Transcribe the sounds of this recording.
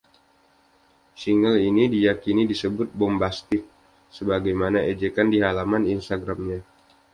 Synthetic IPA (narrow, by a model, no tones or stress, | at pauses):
siŋəlinidijakinidisəbʊt̪̚bɔmbast̪ɪk̚ | səbaɡajmanaʔed͡ʒekandiɦalamaninst̪aɡɾamɲa